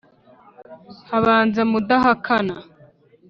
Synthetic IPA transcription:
haβaːnzemud̪aɦakʰana

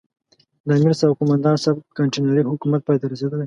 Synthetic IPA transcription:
d̪amiɾsabkʊmand̪ɑnsabt̪̚kaɳʈenaɾiɦʊkumat̪̚pɑjt̪aɾased̪əlej

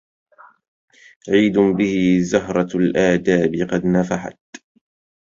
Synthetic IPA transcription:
ʕiːd̪ʊbɪhɪzaɦɾˤɑlʔaːd̪aːbɪqɑd̪nafaħa̰t̪

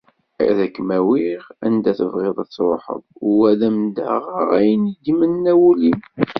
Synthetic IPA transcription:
jæ̰ðækːmæwiʁænd̪æθəvʁeðˤæt͡sːɾoħə̰ðˤʊwæðæmd̪ə̰ʁʁæjənid̪mənːæwulim

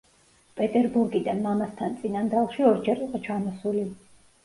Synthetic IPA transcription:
pʼɛt̪ʼɛɾbuɾɡid̪anmamast̪ʰant̪sʼinand̪alˠʃiɔɾd͡ʒɛɾiqʼɔt͡ʃʰamɔsuli

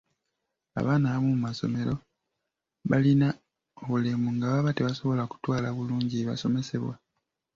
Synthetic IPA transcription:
a̰βaːnaβamumumaso̞̰me̞ɾo̞ | βalina | oβule̞muŋɡaβaβateβaso̞βo̞laku̥twaːlaβuluːɲɟiβa̰so̞me̞se̞βwa

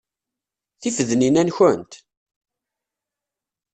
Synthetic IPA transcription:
θifəðninænçənt̪

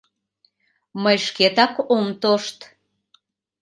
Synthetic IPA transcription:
məjʃket̪ɑkomt̪oʃt̪

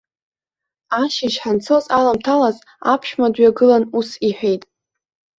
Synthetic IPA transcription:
aʃɪʃħant͡sʰozalamtʰalaz | a̰pʰʃmadɥaɡɨlanusiħᶣe̞jtʼ

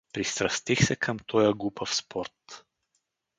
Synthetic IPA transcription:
pɾist̪ɾɐst̪ixsɛkʰəmt̪ʰɔjəɡupəfspʰɔɾt̪

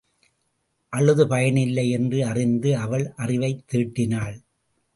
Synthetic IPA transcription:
ʔɐɭːɯðɯpɐjɐɳɪlːɐɪɛndrɯɐrɪnd̪ɯɐʋɐɭʔɐrɪʋɐɪt̪ːiːʈːɪnaːɭ

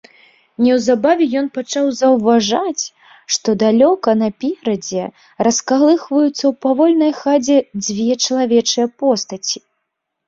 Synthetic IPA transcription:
nʲɛwzabavʲɛjɔnpat͡ʂawzɐwvaʐat͡sʲ | ʂt̪ɔd̪alʲɔkɐnɐpʲɛɾɐd͡zʲɛ | raskalˠɨxvɐjut̪sːɐwpavɔlʲnɐjxad͡zʲɛd͡zʲvʲɛt͡ʂɐlˠavʲɛt͡ʂɨjɛpɔst̪ɐt͡sʲi̥

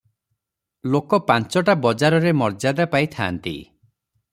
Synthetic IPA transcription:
lokɔpant͡ʃɔʈabɔd͡ʒaɾɔɾemɔɾd͡ʒad̪apajt̪ʰa̰ːnt̪ḭ

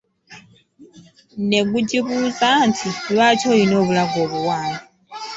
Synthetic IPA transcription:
nekud͡ʒiβuzaːntʰiβat͡ʃʰɔinoβulaɡoβuwaːni

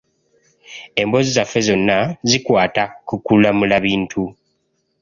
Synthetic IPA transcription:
e̞mbo̞zizafːe̞zo̞nːazikwaːtakukulamulaβiːntʰu

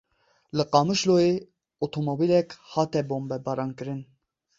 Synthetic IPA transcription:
lɨqɑːmɨʃloje | ot̪ʰomobilɛkhɑːt̪ɛboːmbɛbɑɾɑːnkɨɾɨn

